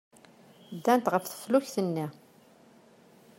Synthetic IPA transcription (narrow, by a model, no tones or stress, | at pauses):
d̪ːænt̪ʁəfθə̥fluçθənːi